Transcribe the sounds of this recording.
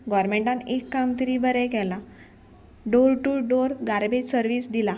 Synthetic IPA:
ɡɔɾmeɳʈãnekːamt̪əɾiːbəɾɛkɛla | ɖoɾʈuɖoɾɡaɾbed͡ʑsəɾʋiːsd̪ila

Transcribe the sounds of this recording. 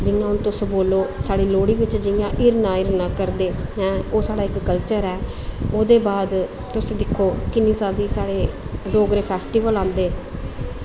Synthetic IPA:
d͡ʒɪnːãːʊnt̪ʊsboːloːsaːɽiːloːɽiːʋɪt͡ʃd͡ʒɪjãːʔɪɾnãːɪɾnãːkəɾd̪eːɦɛ̃ːoːsaːɽaːɪkːəlt͡ʃəɾɛː | oːd̪eːbaːd̪ | t̪ʊsĩːd̪ɪkʰːoːkɪnĩːsaːziːsaːɽeːɖoːɡɾeːpʰɛːsʈiːʋəlãːnd̪eː

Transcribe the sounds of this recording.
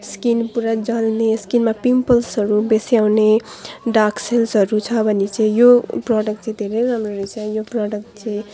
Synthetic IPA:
skinpuɾad͡zalneskinmapimpʌlsɦʌɾubesijawneɖakselsɦʌɾut͡sʰʌbʱʌnet͡sãĩjoprɔɽʌk̚ʈt͡saĩd̪ʱeɾejɾamroɾet͡sʰʌjopraɖʌk̚ʈ̚t͡saĩ

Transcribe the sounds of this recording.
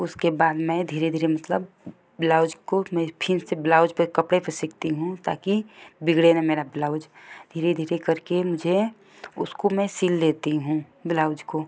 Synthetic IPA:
ʊskebaːd̪mɛ̃d̪ʱiːɾed̪ʱiːɾemɐt̪ləb | bɪlaːʊd͡ʒkomɛ̃pʰɪnsebɪlaːʊd͡ʒpəkɐpɽepəɾsɪk̚t̪iɦũt̪a̰ːkibɪɡɽenemeːɾabɪlaːʊd͡ʒd̪ʱiːɾed̪ʱiːɾekəɾkemʊd͡ʒʱe | ʊ̰skomɛ̃siːlːeːt̪iɦũ | bɪlaːʊd͡ʒko

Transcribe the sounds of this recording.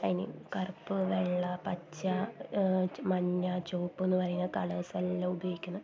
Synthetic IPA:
ɐnḭkɐrpːɨʋeɭːɐpɐt͡ɕːɐ | mɐɲːɐt͡ɕoːpːenːɨpɐrɐjunːɐkɐɭɐselːɐubɐjoːikʲːunːɐ

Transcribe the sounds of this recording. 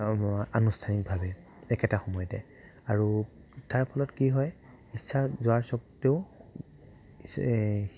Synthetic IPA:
anustʰanik̚bʱabɛ | ɛkɛtaxɔmɔjɔtɛ | aɹu | taɹpʰɔlɔtkiɦɔj | isːazʊaɹsɔkteʊ

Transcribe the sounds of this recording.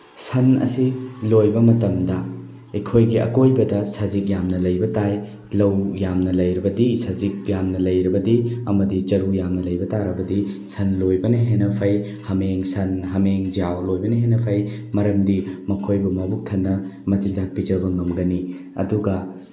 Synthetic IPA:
sɐnɐ̰silojbɐmɐtɐmdɐ | ekʰojɡiɐ̰kojbɐdɐsɐzik̚jamnɐlɐjbɐtaj | lɐwjamnɐlɐjɾibɐdisɐzik̚jamnɐlɐjɾibɐdiɐmɐdit͡ʃɐɾujamnɐlɐjbɐtaɾɐbɐdisɐnlojbɐniɦenɐpʰɐj | hɐmeŋsɐnɦɐmeŋd͡ʒiawlojbɐniɦenɐpʰɐjmɐɾɐmdimɐkʰojbumɐbuk̚tʰɐnːɐmɐt͡ʃind͡ʒak̚pid͡ʒɐbɐŋɐmɡɐni | ɐ̰duɡɐ

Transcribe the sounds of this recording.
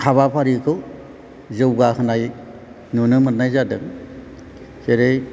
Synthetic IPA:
kʰaβapʰaɾikʰɯw | zɯwɡahɯnaj | nunɯmɯt̚najzadɯŋ | seɾej

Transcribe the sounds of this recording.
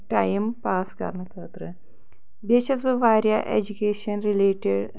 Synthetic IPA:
ʈɐjmpaːskɐ̰ɾnɨkʰəːt̪ɾɨ | beʃɐsbɨʋaːɾjaʔed͡ʒukʲeːʂɐnɾileːʈeɖ

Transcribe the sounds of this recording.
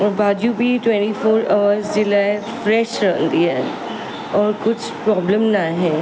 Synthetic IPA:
ɔːɾbaːd͡ʒjũbʱiʈwɛ̃ːɳʈifʰoːɾaʋəɾsd͡ʒɪlaːɪfɾɛːʃɾɐknd̪iɦɛː | ɔːɾkʊt͡ʃʰpɾɔːbləmnaɦɛ̃ː

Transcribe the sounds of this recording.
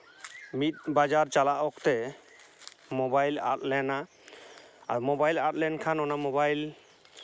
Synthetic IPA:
mit̪̚ˀbad͡ʒaɾt͡ʃalaʔɔkt̪ɛ | mɔbajla̰t̪̚lɛna̰ː | ɾmɔbajlat̪̚lɛnkʰanɔnamɔbajl

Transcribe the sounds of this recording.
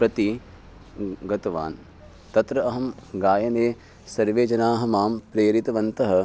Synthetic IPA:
pɾɐt̪i | ɡɐt̪ɐʋa̰ːn | t̪ɐt̪ɾɐɐɦɐmɡaːjɐneː | sɐɾʋeːd͡ʒɐnaːɦɐmaːmpɾeːɾit̪ɐʋɐnt̪ɐɦɐ

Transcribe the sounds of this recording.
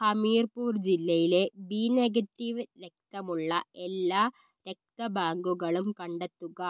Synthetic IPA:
hɐmiːɾpuːɾd͡ʒɪlːɐjɪleːbiːnɛɣɐʈ̪ːiʋɾɛk̚t̪ɐmɯɭːɐʔɛlːaː | ɾɛk̚t̪ɐbaːŋɡɯɣɐɭɯmkɐɳɖɐt̪ːɯɣɐ

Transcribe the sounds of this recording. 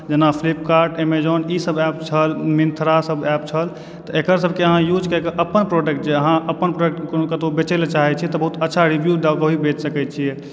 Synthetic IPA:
d͡ʒenapʰlip̚kaɾʈemed͡ʒɔnisəbɛp̚t͡ʃʰəlmint̪ʰɾasəbɛpt͡ʃʰəl | t̪ɔekəɾsəb̚ʱkeəɦãjud͡ʒkəkeʔəpənpɾoɖek̚ʈd͡ʒeəɦãʔəpənpɾoɖek̚ʈkokət̪obet͡ʃelet͡ʃaɦɛt͡ʃʰit̪ɔbəɦut̪ətːʃʰaɾibjud̪awkəɦibet͡ʃsəkɛt̪̚t͡ʃʰijɛ

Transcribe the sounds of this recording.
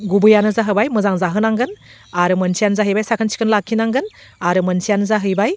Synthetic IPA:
ɡubɯjanɯzaɦɯbajmɯzaŋzaɦɯnaŋɡɯn | aɾɯmɯnsijanzaɦɯjbajsakʰɯnsʰi̥kʰɯnlakʰːinaŋɡɯn | aɾɯmənsʰijanɯzaɦɯjbaj

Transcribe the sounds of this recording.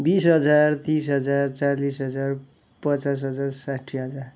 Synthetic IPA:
bisɦʌd͡zart̪ĩsɦʌd͡zart͡salisɦʌd͡zar | pʌt͡sas̬ɦʌd͡zarsaʈʰiɦʌd͡zar

